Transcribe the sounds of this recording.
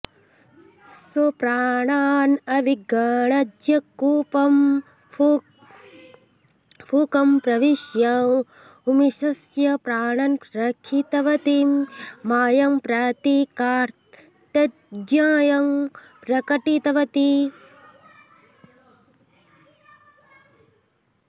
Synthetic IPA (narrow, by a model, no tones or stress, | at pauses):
sopɾaːɳaːnɐʋiɡaːɳɐd͡ʒjɐkuːpɐm | pʰukɐmpɾɐʋiʃjɐ | umiʃɐsjɐpɾaːɳɐnɾɐkʰit̪ɐʋɐt̪imaːjɐmpɾaːt̪ikaːɾt̪ | ɐ | ɡjaːjɐm | pɾɐkɐʈit̪ɐʋɐt̪i